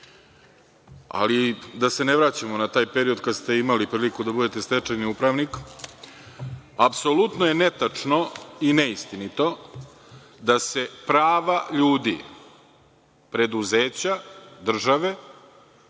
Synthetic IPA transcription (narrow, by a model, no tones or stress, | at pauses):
a̰lid̪ase̞ne̞ʋɾaːt͡ɕamo̞nat̪aːjpe̞ɾio̞d̪kad̪st̪e̞imalipɾiːlikud̪abud̪e̞t̪e̞st̪et͡ʂajniupɾaʋnik | apsolut̪noje̞ne̞t̪at͡ʂno̞ineist̪init̪o̞ | d̪ase̞pɾaːʋaʎuːd̪ḭ | pɾe̞d̪uze̞ːt͡ɕad̪r̩ʒaʋe̞